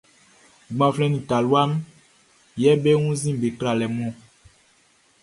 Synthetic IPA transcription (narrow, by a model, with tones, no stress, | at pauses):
ɡ͡bã˨flɛ̃˦nĩ˨ta˨lu˦a˦m | jɛ˦be˦ŋũ˦zĩ˦be˨kɾa˨lɛ˨mɔ̃˦˨